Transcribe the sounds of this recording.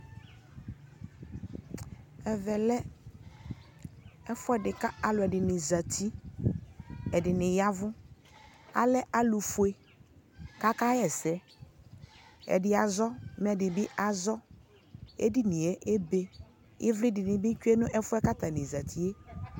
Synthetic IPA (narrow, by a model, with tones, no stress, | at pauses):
ɛ˨vɛ˨lɛ˦ | ɛ˦fʊ˦ɛ˦dɪ˨ka˦a˨lʊ˨ɛ˨dɪ˨nɪ˨za˨t̪ʰi˦ | ɛ˨dɪ˨nɪ˨ja˦vʊ˦ | a̰˨lɛ˦ʔa˦lʊ˨fʊ˨e˨ | ka˦ka˦jɛ˨sɛ˦ | ɛ̰˨dɪ˨a˨zɔ˦m˦˨ɛ˨dɪ˨bɪ˦ʔa˨zɔ˦ | ḛ˦di˦nɪ˨e˦ʔe˦be˦ | ɪ̰˦vlɪ˦dɪ˨nɪ˨bɪ˦kᶣu˦e˦nʊ̃˦ʔɛ˦fʊ˦ɛ˦ka˦t̪a˨nɪ˨za˨t̪ʰi˦e˦